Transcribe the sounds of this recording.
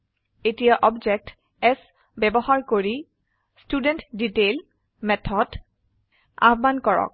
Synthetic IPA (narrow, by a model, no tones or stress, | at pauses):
etijaʔɔbd͡ʒɛk̚t | ɛs | bɛbɔhaɹkoɹi | studɛntditel | mɛtʰɔd | a̰bbankɔɹɔ̰k̚